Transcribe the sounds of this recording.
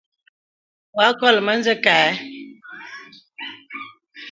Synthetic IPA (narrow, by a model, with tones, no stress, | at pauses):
wa˦kɔ˦˨lmə˦nzə˦ka˨ɛ˨˦